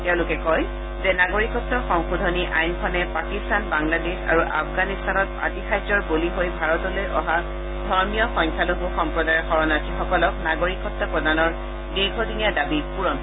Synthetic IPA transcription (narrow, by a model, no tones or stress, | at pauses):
tɛʊ̃lʊkɛkɔj | zɛnaɡoɹikɔtːɔxɔŋxudʱɔniʔajnkʰɔnɛpakistanbaŋladesa̰ɹuʔa̰fʰɡanistanɔt̚pa̰tixazɔɹboliɦojbʱaɹɔtɔlojʔɔ̰ɦa | dʱɔɹmijɔxɔŋkʰaloɦuxɔmpɹɔdajɔxɔɹɔnasʰixɔkɔlɔk̚naɡoɹikɔtːɔpɹɔdanɔɹ | diɹɡʱɔdʱinijadabipuɹɔm